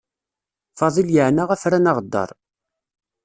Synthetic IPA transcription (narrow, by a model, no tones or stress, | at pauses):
fɑðˤiljəʕnaʁæfɾænɑʁd̪ːɑ̰ɾˤ